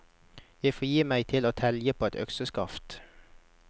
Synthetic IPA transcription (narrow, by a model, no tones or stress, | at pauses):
jæɪfoːjiːmæɪt̪ʰɪloːt̪ʰɛljəpʰoːɛt̪œ̰ksəskɑft̪